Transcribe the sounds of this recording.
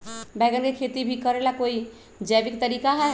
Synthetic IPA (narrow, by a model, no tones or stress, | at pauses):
bɛjɡənkekʰet̪ibʱikəɾelakoi | d͡ʒəbikt̪əɾikaɦɛ